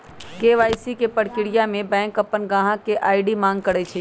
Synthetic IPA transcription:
keːʋaːɪsikepəɽkɪɽɪjamẽbɛ̃ːŋkɐpːənɡãːɦãkeʔaːɪɖimãːŋɡ̚kɐɽet͡ʃʰe

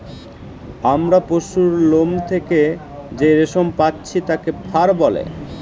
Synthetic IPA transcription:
amɾapoʃuɾlomt̪ʰeke | d͡ʑeɾeʃompatːɕʰit̪akepʰaɾbɔlḛ

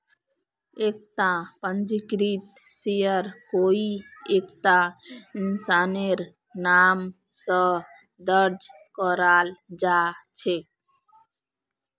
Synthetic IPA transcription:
ek̚ʈãpənd͡ʒikɾit̪ | sijəɾkoiekʈainsaneɾ | nam | sə | d̪əɾd͡ʒ | kɔɾald͡ʒat͡ʃʰe

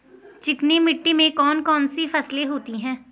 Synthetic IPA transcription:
t͡ʃɪknimɪʈːimẽkɔːnkɔːnsifɐsleɦoːt̪iɦɛ̃ː

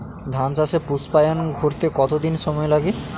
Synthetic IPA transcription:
d̪ʱant͡ɕaʃepuspajonɡʱoɾt̪ekɔt̪od̪inʃɔmɔelaɡe

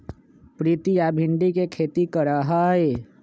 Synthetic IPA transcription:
pɾiːt̪ijaːbʱɪ̃ɳɖikekʰeːt̪ikəɾaɦaːɦeː

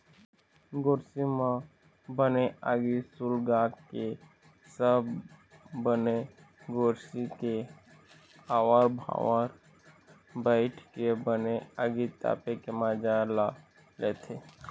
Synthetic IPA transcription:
ɡoːɾsimã | bəneaɡisulɡaːkke | səb | bəne | ɡoːɾsike | aːwaːɾbʱa̰ːwaɾ | bəɪʈʰkebəneaɡit̪a̰ːpekemãːd͡ʒala | leːt̪ʰe

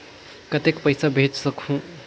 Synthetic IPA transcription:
kət̪ekpəjsabʱet͡ʃsəkhũ

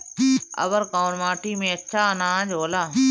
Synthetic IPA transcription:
ə̰ʋəɾkaːnmaːʈiːmẽːətːʃʰaːənaːd͡ʒɦoːlaː

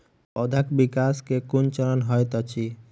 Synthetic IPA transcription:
ɔd̪ʱəkbikaskekunt͡ʃəɾənɦɔjt̪ɔt͡ʃʰi

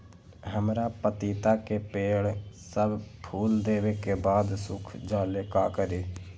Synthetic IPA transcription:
ɦəmɾaːpət̪iːt̪aːkeːpeːɽsəbpʰuːld̪eːʋeːkeːbaːd̪sʊkʰd͡ʒaːleːkaːkəɾeː

